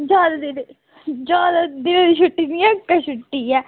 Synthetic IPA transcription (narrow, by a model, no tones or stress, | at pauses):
d͡ʒaːd̪ad̪ɪn | d͡ʒaːd̪ad̪ɪnõːd̪iʃʰʊʈːiːniɛːkːəʃʊʈːiːɛː